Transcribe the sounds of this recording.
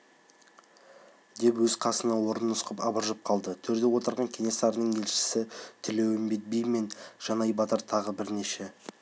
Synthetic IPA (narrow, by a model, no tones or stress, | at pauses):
d̪e̞pwɵz̥qʰɑsənɑwo̞ɾənʊsqəpɑbəɾʒəp̚qʰɑlˠd̪ət̪ʰɵɾd̪e̞wo̞t̪əɾʁɑŋkʲʰe̞ŋe̞sɑɾənəɴe̞lʃɪ̥sɪt̪ʰɪlewɪmbet̪̚bijme̞nʒ̥ɑnɑjbɑt̪əɾt̪ʰɑʁəbɪɾne̞ʃe̞